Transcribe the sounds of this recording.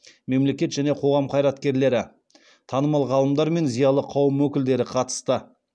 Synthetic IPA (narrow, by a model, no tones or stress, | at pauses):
me̞mle̞kʲe̞t̪ʒ̥æne̞qʰo̞ʁɑmqʰɑjɾɑt̪kʲe̞ɾle̞ɾɪ | t̪ʰɑnəmɑlˠʁɑlˠəmd̪ɑɾme̞nzijɑlˠəqʰɑwəmwɵkʲɪld̪e̞ɾɪqʰɑt̪ə̥st̪ə